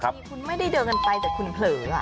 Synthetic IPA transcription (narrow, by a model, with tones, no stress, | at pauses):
kʰa˦˥kʰu˧nma˥˩jda˥˩jdɤː˧nka˧npa˧jt͡ɕaː˨˩kʰu˧npʰlɤː˩˦a̰˧˩